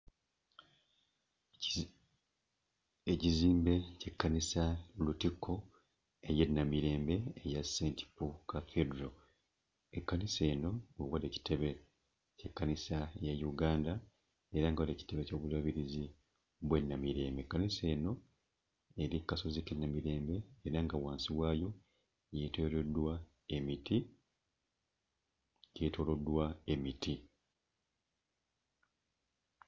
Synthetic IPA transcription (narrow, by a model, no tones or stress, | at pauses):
eciziːmbe̞cekːanisalutikʰːo | eje̞nːamiɾe̞ːmbe̞ːjaseːnti̥pukafedɾo | ekːanise̞ːno̞owaleci̥tʰe̞βe̞ | cekːanisajajuɡaːnda | e̞ɾaŋɡawale̞ːci̥te̞βeco̞ːβulaβiɾizi | βwe̞nːamiɾe̞ːmbekːanise̞ːno̞ | eɾikːasozikenːamiɾe̞ːmbe̞ːɾaŋɡawaːnsiβwaːjo̞ | je̞toːɾo̞dːwa | e̞miti | je̞ːto̞lo̞dːwae̞miti